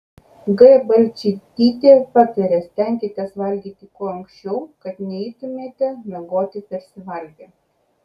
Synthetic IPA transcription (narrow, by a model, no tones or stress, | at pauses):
ɡɐbɐlʲt͡ʃʲɪt̪ʲiːt̪ʲeːpɑt̪ʲɐɾʲeːsʲt̪ʲɛˑŋʲkʲet̪ʲɛsʋɐlʲɡʲiːt̪ʲɪkuɔɐŋksʲt͡ʃʲɛʊkɐt̪nʲɛɪt̪ʊmʲeːt̪ʲɛnʲɐɡoːt̪ʲɪpʲɛɾʲsʲɪʋɐlʲɡʲe